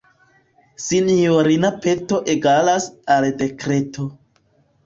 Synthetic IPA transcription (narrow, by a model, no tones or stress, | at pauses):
sinoɾinapeto̞ʔeɡalasalde̞kɾe̞to̞